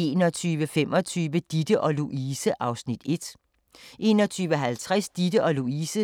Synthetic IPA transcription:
e̝ːnɒt͡sʰyːʋəfem̰ɒ̽t͡sʰyːʋəd̥id̥əʔɒ̽luʔiːsəʔɑ̈ʊsnid̥e̝d̥ | ʔe̝̰ːnɒ̽t͡sʰyːʋəɦælt͡sʰʁasd̥id̥əʔɒ̽luiːsə

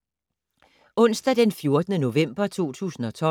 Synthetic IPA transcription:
ɔ̽n̰sd̥æd̥enfjo̝ɐd̥ənəno̝ʋem̰b̥ɐt͡sʰo̝̰ːt͡sʰṵːsn̩ɒ̽t͡sʰɒ̽

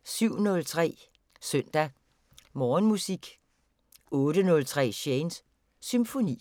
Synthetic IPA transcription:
syʊ̰nɔ̽lt͡sʰʁɛ̰ː | sœn̰d̥æ | mɒːnmusiɡ̥ | ɔ̽ːɾənɔ̽lt͡sʰʁɛ̰ːɕensː | ymfo̝nḭː

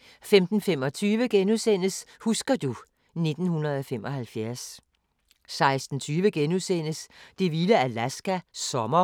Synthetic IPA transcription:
femd̥n̩femɒ̽t͡sʰyːʋəɡ̥enusen̰əshusɡ̥ɐd̥u | ne̝d̥n̩hunɐð̞̩ˠɒ̽femɒ̽hælfjæɐs | sɑ̈ɪsd̥n̩t͡sʰyːʋəɡ̥enusen̰əsd̥e̝ʋiləælæsɡ̥æsɒ̽mɐ

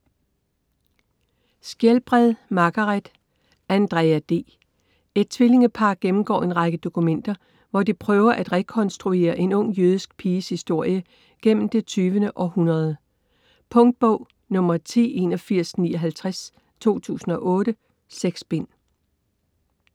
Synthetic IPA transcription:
sɡ̥jelb̥ʁaðˠmɑ̈ɡ̥ɑʁad̥ | ænd̥ʁɛɪæd̥e̝̰ː | e̝d̥̚t͡sʰʋe̝le̝ŋəpʰɑ̈ɡ̥̚ɡ̥emm̩ɡ̥ɒ̰ːe̝nʁɑ̈ɡ̥əd̥o̝kʰumen̰d̥ɐ | ʋɒd̥ipʰʁœːʊɐʔæd̥ʁɛkʰɒ̽nsd̥ʁue̝̰ːɐʔe̝nɔ̽ŋ̰jøð̞ˠisɡ̥̚pʰiːəshisd̥o̝ɐ̰jə | ɡ̥en̰m̩d̥e̝t͡sʰyːʋənəʔɒ̽hunɐð̞ˠ | pʰɔ̽ŋd̥̚b̥ɔʊ̰ | nɔ̽m̰ɐt͡sʰḛːe̝nɒ̽fiɐ̰sniːɒ̽ɦælt͡sʰʁas | t͡sʰo̝̰ːt͡sʰṵːsn̩ɒ̽ʔɔ̽ːdɾə | seɡ̥sb̥e̝n̰

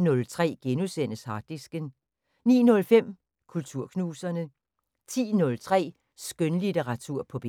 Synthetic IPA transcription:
nɔ̽lt͡sʰʁɛ̰ːɡ̥enusen̰əshɑ̈d̥isɡ̥ən | nḭːnɔ̽lfem̰ | kʰult͡sʰuɐ̰kʰnuːsɐnə | t͡sʰḭːnɔ̽lt͡sʰʁɛ̰ː | sɡ̥ønlit͡seʁɑ̈t͡sʰuɐ̰pʰɒ̽b̥e

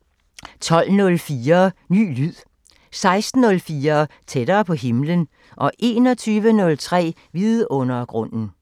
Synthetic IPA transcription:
t͡sʰɒ̽l̰nɔ̽lfiːɐny̰ːlyð̰ˠ | sɑ̈ɪsd̥n̩ːɔ̽lfiːɐt͡sʰed̥ɐːpʰɒ̽ɦe̝mlən | ʔɒ̽ʔe̝ːnɒ̽t͡sʰyːʋənɔ̽lt͡sʰʁɛ̰ː | ʋiðˠɔ̽nɐɡ̥ʁɔ̽n̰n̩

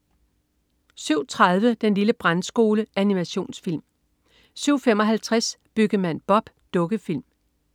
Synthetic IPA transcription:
syʊ̰t͡sʰʁaðˠʋəd̥enliləb̥ʁansɡ̥o̝ːləʔænimæɕo̝̰ːnsfilm | syʊ̰fem̰ɒ̽ɦælt͡sʰʁasb̥yɡ̥əmæn̰b̥ɒ̽b̥ | d̥ɔ̽ɡ̥əfil̰m

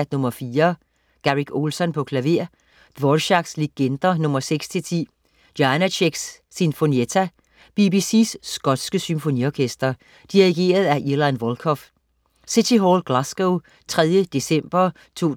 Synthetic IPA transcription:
d̥nɔ̽mɐfiːɐ | ɡ̥æʁiɡ̥ʰo̝ːlsɒ̽npʰɒ̽kʰlæʋe̝ɐ̰ | d̥ʋɒdɕɑɡ̥sleɡ̥end̥ɐnɔ̽mɐseɡ̥st͡sʰe̝lt͡sʰḭː | d̥jɑnæɕʰeɡ̥sː | info̝niet͡sʰæ | b̥ib̥isisːɡ̥ɒ̽d̥sɡ̥əsymfo̝niɒkʰesd̥ɐ | d̥iʁiɡ̥e̝̰ːɐð̞̩ˠæʔiɐlɑ̈nʋɒlkʰɒf | sid̥ʰiɦɒːlɡ̥læsɡ̥oʊ | t͡sʰʁɛð̞ˠjəd̥e̝sem̰b̥ɐ | t͡sʰo̝̰ː

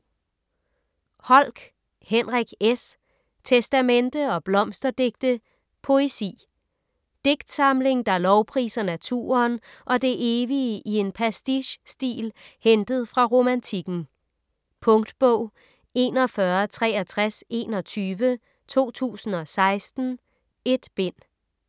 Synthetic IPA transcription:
hɒ̽l̰ɡ̥ | henʁaɡ̥es | t͡sʰesd̥æmend̥əɒ̽b̥lɒ̽msd̥ɐd̥e̝ɡ̥̚d̥ə | pʰo̝e̝sḭː | d̥e̝ɡ̥d̥sɑ̈mle̝ŋd̥ɑ̈lɒʊpʰʁḭːsɐnæt͡sʰṵːɐːnʔɒ̽d̥e̝ʔe̝ːʋiʔie̝npʰɛsd̥iɕsd̥ḭːlhend̥əð̞̩ˠfʁɑ̈ʁo̝mænt͡sʰiɡ̥n̩ | pʰɔ̽ŋd̥b̥ɔʊ̰ | e̝ːnɒ̽fɶɐt͡sʰʁɛ̰ːæt͡sʰʁase̝̰ːnɒ̽t͡sʰyːʋə | t͡sʰo̝̰ːt͡sʰṵːsn̩ɒ̽sɑ̈ɪsd̥n̩ | e̝d̥b̥e̝n̰

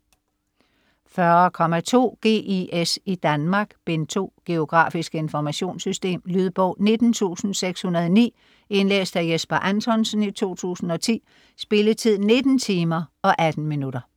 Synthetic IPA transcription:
fɶɐɐkʰɒ̽mæt͡sʰo̝̰ːɡ̥e̝̰ːiʔesid̥ænmɑ̈ɡ̥b̥ent͡sʰo̝̰ːɡ̥e̝o̝ɡ̥ʁɑ̰̈ːfisɡ̥əe̝nfɒmæɕo̝̰ːnsysd̥e̝̰ːmlyð̞ˠb̥ɔ̰̽ʊne̝d̥n̩t͡sʰṵːsn̩seɡ̥shunɐðˠɒnḭː | e̝nlḛːsd̥æjesb̥ɐʔænt͡sʰɒ̽nsn̩it͡sʰo̝̰ːt͡sʰṵːsn̩ɒ̽t͡sʰḭː | sb̥e̝lət͡sʰið̰ˠne̝d̥n̩t͡sʰiːmɐɒ̽ʔæd̥n̩minudɐ

